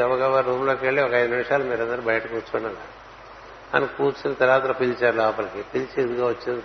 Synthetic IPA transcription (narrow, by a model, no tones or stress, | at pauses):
ɐʋɐɡaʋaːɾɾuːmloːkeɭːeɔkɐɐjd̪unimʂaːlɐmiːɾɐnd̪ɐɾubɐjɐʈɐkuːt͡ʃuɳːɐna | ɐ̰nikuːt͡ʃinit̪ɐɾaːt̪ɾɐpilt͡ʃaːɾlaːpɐlɐkipilt͡ʃeid̪uɡaːʋot͡ʃːind̪i